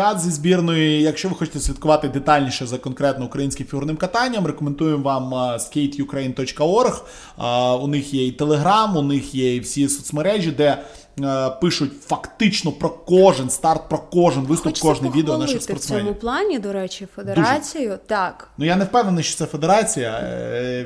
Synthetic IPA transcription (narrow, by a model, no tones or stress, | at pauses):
ɑd̪zʲizʲbʲirnɔjijɐkʃt͡ʃɔʋɪxɔt͡ʃɪ̥t̪ɛsʲʋʲid̪t̪kʊʋɑt̪ɪd̪ɪt̪ɑlʲnʲiʃɛzɐkɔnkɾɛt̪nɔʊkɾɐjinʲsʲkʲɪmfʲiɦurnɪmkɐt̪ɑnʲːɐmɾekɔmend̪ujemʋɑmskʲejt̪jʊkɾɛjnt̪ɔt͡ʃkɐɔrx | ʊnɪxjɛit̪elˠeɦɾɑmʊnɪxjɛiwsʲisɔt̪smeɾɛʒʲid̪ɛ | pɪʃʊtʲfɐkt̪ɪt͡ʃnɔpɾɔkɔʒenst̪ɑrt̪̚pɾɔkɔʒɪnʋɪst̪ʊpkɔʒnɪjʋid̪eɔnɑʃɪxsp̪ɔrt̪smɛnmʊplˠɑnʲid̪ɔɾɛt͡ʃʲɪfed̪eɾuat͡sʲijʊt̪ɑknujanewpɛwnenɪʃt͡ʃɔ̥t̪sɛfed̪eɾɑt͡sʲijɐ̰